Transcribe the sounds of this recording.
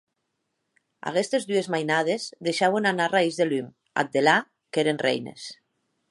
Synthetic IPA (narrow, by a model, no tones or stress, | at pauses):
a̰ɣest̪ezðyezmajnaðezðeʃawenanaraizðelym | a̰t̪̚d̪ela | keɾenrḛjnḛs